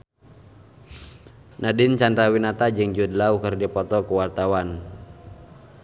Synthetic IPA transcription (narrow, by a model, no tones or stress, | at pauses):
nʔadint͡ʃandɾawinat̪ad͡ʒɨŋd͡ʒudlaukərdipɔt̪ɔkuwart̪awan